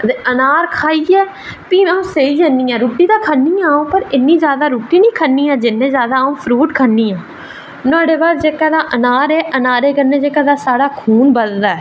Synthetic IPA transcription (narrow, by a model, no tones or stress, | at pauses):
d̪eːʔənaːɾkʰaːiːɛː | piːmɛ̃ũːseiːd͡ʒəniːãːɾuːʈːiːd̪aːkʰənːiːãːũːpəɾɪnːiːzjaːd̪aːɾuːʈːiːnĩːkʰənːiːɛ̃ːd͡ʒɪnːẽːzjaːd̪aːaːũːpʰɾuːʈkʰənːiːãː | nʊaːɽeːbaːɾd͡ʒeːkaːd̪aːʔənaːɾɛːʔənaːɾeːkənːẽːd͡ʒeːkaːd̪aːsaːɽaːkʰuːnbəld̪aːɛ